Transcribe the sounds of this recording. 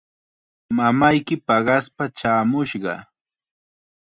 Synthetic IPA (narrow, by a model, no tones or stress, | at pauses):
mamajkɪpɑɢɑspat͡ʃaːmʊʃɢɑ̰